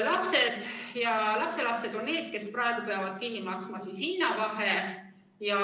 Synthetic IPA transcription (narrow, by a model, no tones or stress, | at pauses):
lɑpse̞d̪̥jɑlɑpse̞lɑpse̞d̪̥o̞nːe̞ːd̪̥ke̞sprɑeɡ̥upeɑvɑd̪̥̚kinːimɑksmɑsisinːɑvɑɦe | jɑ